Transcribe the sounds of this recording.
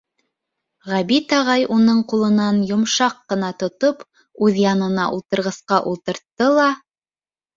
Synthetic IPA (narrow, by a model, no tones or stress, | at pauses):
ʁæbit̪ɑʁɑjunɤɴqulˠɤ̆nɑnjŏmʃɑqːɤ̆n̪ɑt̪ŏt̪op | ʉðjɑnɤ̆nɑʔulˠt̪ɤ̆ɾʁɤ̆sqɑʔulˠt̪ɤ̆ɾt̪ːɤlˠɑ